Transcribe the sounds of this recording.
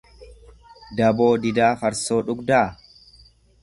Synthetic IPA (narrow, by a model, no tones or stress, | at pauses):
d̪ɐbo̞ːd̪ɪd̪aːfɐɾso̞ːᶑʊɡd̪aː